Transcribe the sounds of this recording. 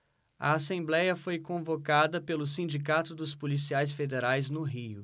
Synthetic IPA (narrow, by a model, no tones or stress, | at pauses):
ɐ̰asẽmblɛjɐfojkõvokad̪ɐpelʊsĩnd͡ʒikat̪ʊd̪ʊspolisiajs̬fed̪eɾajznʊɦiʊ̰